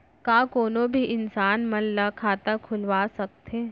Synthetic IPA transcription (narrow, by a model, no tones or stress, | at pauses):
kaːkoːnõbʱiʔɪnsaːnmɐnlakʰaːt̪akʰʊlʋaːsɐk̚t̪ɦeː